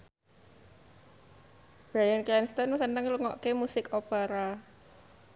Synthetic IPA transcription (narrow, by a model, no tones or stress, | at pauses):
b̥ɾajankɛnst̪ɔnsənəŋluŋɔ̰ʔkemusɪkopaɾa